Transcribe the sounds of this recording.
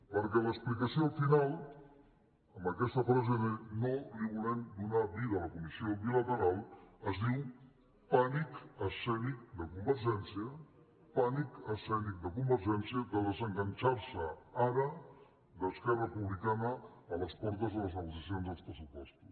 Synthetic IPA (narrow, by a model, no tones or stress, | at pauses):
pəɾkɛləksplikəsiolˠfinalˠ | əmbəkɛst̪əfɾazəðenoliβulɛmd̪unaβiðələkumisioβilət̪əɾalˠəzðiw | panikəsɛnik̚d̪əkumbəɾʒɛnsiə | panikəsɛnik̚d̪əkumbəɾʒɛnsiəd̪əðəzəŋɡənt͡ʃaɾsəaɾə | d̪əskɛrəpuβlikanəːləspɔɾt̪əzðələznəɣusəsionzðəlˠspɾəsupɔst̪u̥s